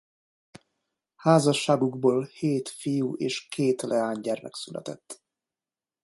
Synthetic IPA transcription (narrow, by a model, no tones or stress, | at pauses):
haːzɒʃːaːɡuɡboːlheːt̪fijuʔeːʃkʰeːt̪lʔɛaːɲɟɛrmɛ̰ksylʔɛ̰t̪ɛt̪ː